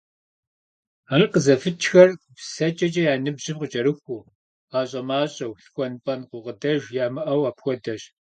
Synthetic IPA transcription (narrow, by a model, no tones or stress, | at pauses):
arqəzɐfɨt͡ʃʰxɐrpsɐt͡ʃʼɐt͡ʃʼɐjaːnɨbʑɪmqət͡ʃʼɐɾɨxʷuː | aːɕʼɐmaːɕʼɐwɬxʷɔnpʼɐnqʊʁədɐʒjaːmɨʔɐwaːpxʷɔdɐɕ